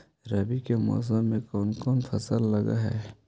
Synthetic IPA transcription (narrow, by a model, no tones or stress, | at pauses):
ɾɐbikemɔ̰ːs̬əmːẽkɔːnkɔːnfʰɐsəlːɐɡa̰ɦɛ̰ː